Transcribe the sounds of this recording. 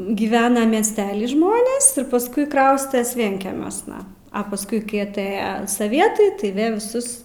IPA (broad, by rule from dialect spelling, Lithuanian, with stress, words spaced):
ɡʲɪˈʋʲæːnɐ mʲiɛsʲˈtʲæːlʲɪ ˈʒmoːnʲeːs ɪr pɐsˈkʊɪ ˈkrɐʊsʲtʲɛs ˈʋʲiɛŋʲkʲɛmʲuɔsnɐ ɐ pɐsˈkʊɪ ˈkɐɪ ɐˈtɘjɛ sɐˈʋʲiɛtɐɪ tɐɪ ˈʋʲeː ʋʲɪˈsʊs